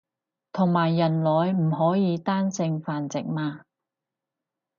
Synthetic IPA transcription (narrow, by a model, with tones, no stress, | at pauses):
t̪ʰʊ˨˩ŋmaː˨˩jːɐ˨˩nlɔː˨˧jm̩˨˩ɦɔː˨˥jiː˨˧t̪aː˥nsɪ˧ŋfaː˨nt͡sɪ˨k̚maː˧